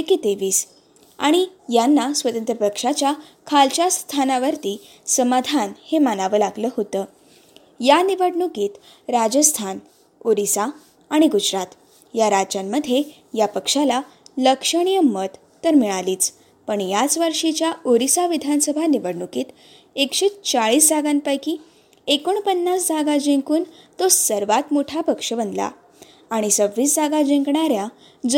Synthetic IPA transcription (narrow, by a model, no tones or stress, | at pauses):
eket̪eʋiːs | a̰ɽ̃ijanːasʋət̪ənt̪ɾəpəkʂat͡ɕja | kʰalt͡ɕjast̪ʰanaʋəɾt̪iː | səmad̪ʱanhemanaʋəːlaɡləːɦot̪əː | janiʋəɽɳukiːt̪ | ɾad͡ʑəst̪ʰan | oɾisaː | ɽ̃iɡud͡zɾat̪ | jaɾad͡ʑamːəd̪ʱːje | japəkʂala | ləkʂəɽ̃ijəmət̪ːəɾmiɭ̃aliːt͡s | pəɳjat͡sʋəɾʂit͡ɕjaoɾisaʋid̪ʱansəbʱaniʋəɽɳukiːt̪ | ekʂeːt͡st͡saɭiːsd͡zʱaɡanpajkiː | ekoɳpənːasd͡zaɡad͡ʑẽŋkuːnt̪osəɾʋat̪moʈʰapəkʂəbənd̪la̰ː | ɽ̃isəbːiːsd͡zaɡad͡ʑẽŋkɳaɾja | d͡z